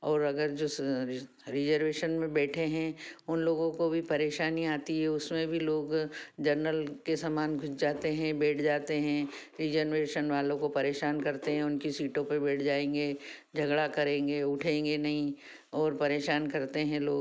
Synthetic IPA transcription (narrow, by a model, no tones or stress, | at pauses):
ɔːɾɐɡəɾd͡ʒoː | ɾɪd͡ʒəɾʋeːʃənmẽbɛːʈʰeɦɛ̃ʊnloːɡõkobʱipɐɾeːʃaːniaːt̪iɦɛʊsmẽbʱiloːɡd͡ʒɐɾnəlkesamaːnɡʱʊt͡ʃd͡ʒaːt̪eɦɛ̃bɛːʈʰd͡ʒaːt̪eɦɛ̃ɾid͡ʒənʋeːʃənʋaːlõkopɐɾeːʃaːnkɐɾt̪eɦɛ̃ʊnkisiːʈõpebɛːʈʰd͡ʒaːẽːŋɡed͡ʒʱɐɡɽakɐɾẽːŋɡeːʊʈʰẽːŋɡenɐɦĩ | ɔːɾpɐɾeːʃaːnkɐɾt̪eɦɛ̃loːɡ